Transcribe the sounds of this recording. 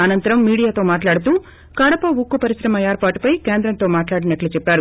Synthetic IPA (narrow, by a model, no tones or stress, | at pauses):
ɐnɐnt̪ɐɾɐmːiːɽijaːt̪o̞ːmaːʈlaːɽut̪uː | kɐɽɐpɐʋukːupɐɾisɾɐmɐeːɾpaːʈupɐjkeːnd̪ɾɐnt̪oːmaːʈlaːɽinɐʈlut͡ʃɛpːaːɾu